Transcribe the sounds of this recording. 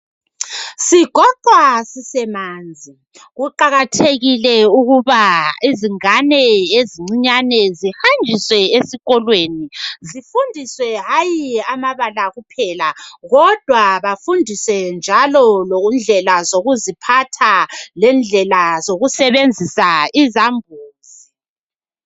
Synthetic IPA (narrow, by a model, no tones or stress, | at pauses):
siɡ̥ʱɔtwasisɛmand͡zʱi | ɣuǃaɣatʰeɣilɛuɣuβaiziŋanɛeziŋ͡ǀiɲanɛzihand͡ʒʱiswɛesiɣɔlwenizifundʱiswɛɦajiamaβalaɣupʰɛlaɣɔd̥ʱwaβafundʱisɛnd͡ʒʱalɔlond͡ɮʱɛlazoɣuzipʰatʰalɛnd͡ɮʱɛlazoɣusɛβend͡zʱisaizambʱuːzi